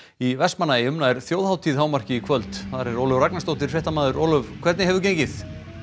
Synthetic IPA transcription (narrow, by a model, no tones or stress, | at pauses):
ivɛsmanajɪʏmnaðɛɾ̥θjoːwðhawt̪ʰiðhaːwmar̥cɪikʰvœlt̪θaðaɾɛɾoːwlʏvraknasowt̪ɪɾ̥fɛht̪amaːðʏɾʔowlʏvkʰvɛɾt̪nɪɦɛvʏɾc̬ejɲcɪθ